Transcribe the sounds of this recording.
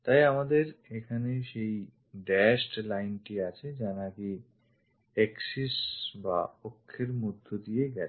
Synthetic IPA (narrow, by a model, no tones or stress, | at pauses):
t̪ajamad̪eɾekʰaneʃej | ɖɛsʈlajnʈiat͡ɕʰed͡ʑanaki | eksisba̰pokʰːeɾmud̪ʱːod̪ijeɡɛ